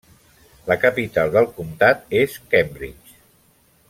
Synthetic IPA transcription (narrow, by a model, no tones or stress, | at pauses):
ləkəpit̪alˠd̪əlˠkumt̪at̪eskɛmbɾḭt͡ʃ